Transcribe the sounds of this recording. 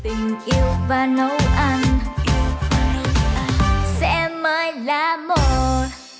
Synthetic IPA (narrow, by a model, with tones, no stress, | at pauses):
t̪ï˨˩ŋ̟ʔi˧əwvaː˨˩nə˨˦wʔa˧n | sɛ̰˧˥məː˨˦jlaː˨˩mo˨˩t̚